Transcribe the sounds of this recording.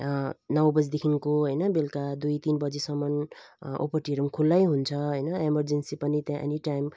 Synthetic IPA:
nʌwbʌd͡zd̪ekʰinkoɦʌjnʌbelkad̪ujt̪inbʌd͡zesʌmːʌno̰pʌʈiɾumkʰulːajɦunt͡sʰʌɦʌjnʌemʌrd͡zensipʌnit̪jãʔḛniʈajm

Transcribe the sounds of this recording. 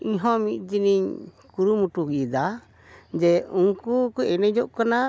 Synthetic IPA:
iɲɦɔ̃mit̪̚ˀd͡ʒiniɲkuɾumuʈuɡid̪a | d͡ʒɛuŋkukɔɛnɛd͡ʒɔʔkana

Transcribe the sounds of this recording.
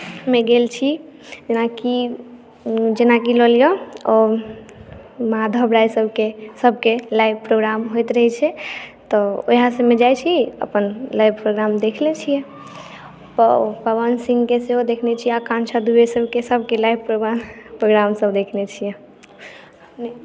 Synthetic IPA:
meɡelt͡ʃʰid͡ʒenaki | d͡ʒenakilɔlijɔɔ | maad̪ʱəbɾajsəbʱkesəb̚ʱkelajbpɾoɡɾamɦojt̪ɾəɦɛt͡ʃʰɛt̪ɔo̰ɦãsəmed͡ʒajt͡ʃʰiə̰pənlajbpɾoɡɾamd̪ekʰlet͡ʃʰijɛ | pəpəβənsĩŋɡkeseɦod̪ekʰnet͡ʃʰiɛakãnt͡ʃʰad̪uesəbkesəb̚kelajbpɾoɡanpɾoɡɾamsəbd̪ekʰnet͡ʃʰijɛ | n

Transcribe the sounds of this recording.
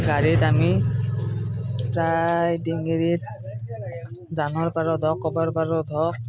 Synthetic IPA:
ɡaɹitami | pɹajdiŋɡeɹit̚ | zanɔɹpaɹɔdʱɔkːɔbaɹpaɹɔdʱɔk̚

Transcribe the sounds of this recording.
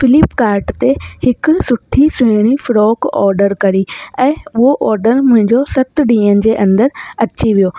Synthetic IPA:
fɪlɪpkaːɾʈt̪ehɪk̆sʊʈʰiseːɽ̃ifɾɔːkɔ̰ːɾɖəɾkɐɾiɛ̃ːʊɦoʔɔːɾɖəɾmʊ̃ɦɪ̃ɲd͡ʑosɐt̪ɖĩːənɪ̆d͡ʑeːʔɐ̃nd̪əɾɐt͡ɕiʋijoː

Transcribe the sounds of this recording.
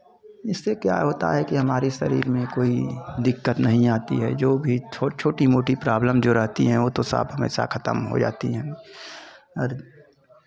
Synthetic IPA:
ɪsːekja̰ɦoːt̪a̰ɦɛkiɦɐmaːɾisɐ̰ɾḭːɾmẽkoːid̪ɪkːət̪nɐɦĩaːt̪ḭɦɛ̰d͡ʒoːbʱit͡ʃʰot͡ʃʰoːʈimoːʈipɾaːbləmd͡ʒoːɾɐɦt̪ḭɦɛ̃ʋoːt̪osə̰bɦɐmḛːʃa̰kʰɐt̪əmɦo̰d͡ʒa̰ːt̪iɦɛ̃ | ɔːɾ

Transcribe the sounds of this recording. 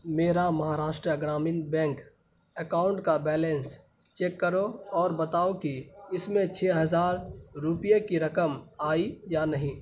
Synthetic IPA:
meːɾamɐɦaːɾaːʃʈɾəɐɡɾaːmɪnbɛ̃ːŋk | əkaːʊ̃ɳʈkabɛːlɛ̃ns | t͡ʃeːkːɐɾoɔːɾbɐt̪aːokiɪsmẽt͡ʃʰeːɦɐzaːɾɾʊpijekiɾɐkəmaːijanɐɦĩː

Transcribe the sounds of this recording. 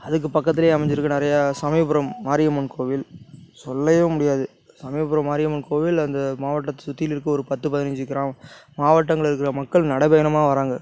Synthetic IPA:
ɐðɯk̬ːɯpɐkːɐt̪ːɪleːɐmɐɲd͡ʒɪɾɯkːɐnɪɾɐjɐsɐmɐɪpɯɾɐmːaːɾɪjɐmɐnkʰoːʋɪlsɔlːɐjʊ̃mʊɽɪjaːðɯ | sɐmɐɪpːɯɾɐmːaːɾɪjɐmɐnkoːʋɪlɐnd̪ɐmaːʋɐʈːɐt̪ːɐ̥sʊt̪ːɪjɪlɪɾɯkːɯɔɾɯpɐt̪ːɯpɐðɪnɪɲd͡ʒɪkːɪɾaːmmaːʋɐʈːɐŋɡɐɭɪɾɯkːɪrɐmɐkːɐɭnɐɽɐbɐjɐnɐmaːɐʋɐɾaːŋɡɐ

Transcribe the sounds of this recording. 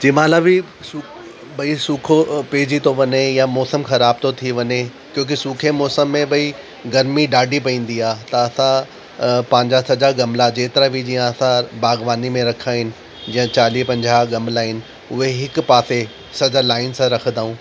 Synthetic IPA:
d͡ʑiːmaːlabɪ | suː | bɐisuːkʰopeːd͡ʑit̪ʰoʋɐɲejamɔːsəmxɐɾaːb̚t̪ot̪ʰiʋɐɲe | kjõːk̬esuːkʰemɔːsəmːẽbɐi | ɡɐɾmiɖaːɖʱipɐĩːn̆d̪iaːt̪ɐːsã | pɐ̃ːɪɲd͡ʑasɐd͡ʑaɡɐmlad͡ʑeːt̪ɪɾabid͡ʑiːãɐsãbaːɡʋaːnimẽɾɐkʰaːɦɪnɪ̆ | d͡ʑĩːə̃t͡ɕaːlipɐ̃ɲd͡ʑʱaɡɐmlaːɦɪnɪ̆ | ʊɦeɦɪkpaːse | sɐd͡ʑalaːɪnsãɾɐkʰə̃d̪aːũː

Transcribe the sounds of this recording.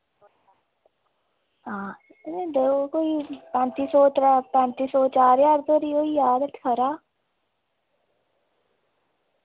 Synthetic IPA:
ɦãː | nd̪eokoːipɛ̃ːnt̪iːsoːt̪ɾapɛ̃nt̪iːsoːt͡ʃaːɾjaːɾt̪oɾioːijaːd̪ət̪ʰkʰəɾaː

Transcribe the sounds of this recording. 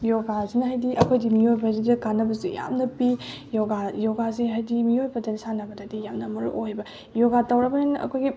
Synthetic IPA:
joɡazinɐɦajdiʔɐkʰojdimiojbɐɦajdidɐkanːɐbɐsṵja̰mnɐpi | joɡajoɡazeɦajdimiojbɐdɐnisanɐbɐdadijamnɐmɐɾuʔojbɐ | joɡatɐwɾɐbɐhenɐ̰kʰojɡi

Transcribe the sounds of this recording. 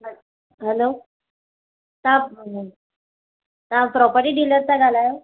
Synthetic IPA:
ɦəlo | t̪ã | t̪ãpɾɔpəɾʈiːɖiləɾt̪aɡʱalaje

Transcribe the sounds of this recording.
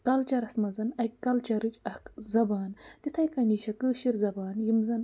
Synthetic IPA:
t̪ɐlt͡ʃɐɾɐsmɐzɐnɐjkkɐlt͡ʃɐɾɨt͡ʃɐhkzɐbaːnt̪it̪ʰɐjkɐniʃɐkɨːʃiɾzɐbaːnjimzɐn

